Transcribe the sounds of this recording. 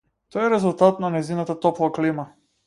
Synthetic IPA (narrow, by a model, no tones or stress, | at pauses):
t̪ɔɛɾɛzulˠt̪at̪nanɛjzinat̪at̪ɔplˠaklima